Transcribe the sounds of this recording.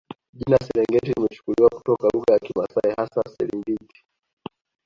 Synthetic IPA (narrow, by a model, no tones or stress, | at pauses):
ʄinasɛɾɛŋɡɛtilimɛt͡ʃu̥kuliwaku̥tɔkaluɣajakimasaɛhasasɛ̰ɾimbiti̥